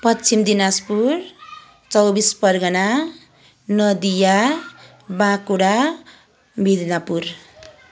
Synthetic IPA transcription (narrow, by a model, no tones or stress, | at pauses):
pʌt͡sʰimd̪inaspur | t͡sʌwbispʌrɡʌna | nʌd̪ija | bãkuɽa | bʱid̪ʱnapur